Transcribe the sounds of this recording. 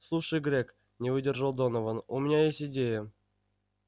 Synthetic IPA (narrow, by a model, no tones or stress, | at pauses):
slˠuʂəjɡrʲek | nʲɪvɨdʲɪrʐəlˠd̪onəvənumʲɪnʲajesʲtʲidʲejə